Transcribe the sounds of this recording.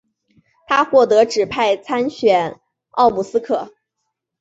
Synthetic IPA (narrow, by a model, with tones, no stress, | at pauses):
t̪ʰa˥xwɔ˥˩t̪ɤ˧˥ʈ͡ʂɻ̩˨˩pʰa˥˩ɪt͡sʰa˥nɕɥɛ˨˩n | ɑ̰˥˧ʊmu˨˩sɹ̩˥kʰɤ˨˩˦